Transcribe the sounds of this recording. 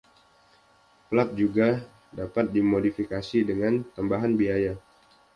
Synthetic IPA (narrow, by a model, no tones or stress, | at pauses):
pəlat̪̚d͡ʒuɡa | dapat̪̚dimodifikasidəŋant̪əmbaɦanbiaja